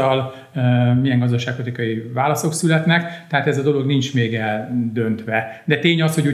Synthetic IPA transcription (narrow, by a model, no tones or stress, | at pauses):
ɒl | mijɛŋɡɒzd̪ɒʃaːkpot̪ikɒjivaːlɒso̞ksylɛt̪nɛkt̪ɛɦaːt̪ɛzɒd̪o̞lo̞ɡnint͡ʃmeːɡɛld̪ø̞nt̪ʋɛd̪ɛt̪eːɲɒsho̞ɟuː